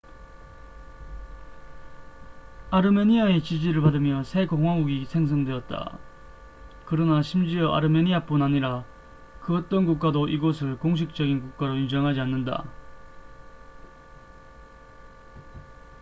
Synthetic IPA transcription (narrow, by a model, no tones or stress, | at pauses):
aɾɯme̞ɲiae̞t͡ɕid͡ʑiɾɯɭpadɯmjʌsʰe̞koŋwaŋuɡisʰe̞ŋs̬ʰʌŋdwe̞ʌt̚t͈a̰ | kɯɾʌnaɕʰimd͡ʑiʌʔa̰ɾɯme̞ɲiap͈unaɲiɾa | kɯʌt͈ʌnkuk̚k͈adoʔiɡosʰɯɭkoŋɕ̬ʰik̚t͡ɕ͈ʌɡinkuk̚k͈aɾoind͡ʑʌŋɦad͡ʑianːɯnda̰